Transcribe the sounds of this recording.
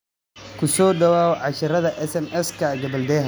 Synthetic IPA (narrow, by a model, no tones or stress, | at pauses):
kʰʊsɔːɖɐwaːɣʕɑʃɐɾɐðɐʔɛsɛnɛskʰɐɡɐbɐld̪ɛːɦɐ